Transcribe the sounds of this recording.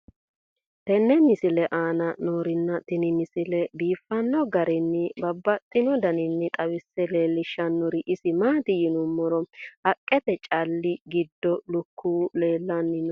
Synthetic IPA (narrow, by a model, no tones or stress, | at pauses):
t̪ɛnːɛmɪsɪlɛʔaːnɐnoːɾɪnːɐt̪ɪnɪmɪsɪlɛbiːfːɐnːɔɡɐɾɛnːɪbɐbːɐt̪ʼːɪnɔd̪ɐnɪnːɪt̪ʼɐwɪsːɛle̞ːlːɪʃːɐnːʊɾɪʔɪsɪmaːt̪ɪjɪnʊmːɔɾɔhɐkʼːɛt̪ɛt͡ʃʼɐlːɪɡɪd̪ːɔlʊkʰːuːle̞ːlːɐnːɪnɔ